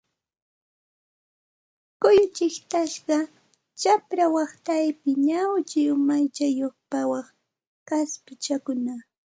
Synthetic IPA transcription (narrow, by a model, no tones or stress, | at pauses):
kʊjʊt͡ʃɪkt̪aʃɢɑ | t͡ʃapɾawɑχt̪ajpɪɲawt͡ʃɪʊmajt͡ʃajoχpawɑχ | kaspɪt͡ʃakʊna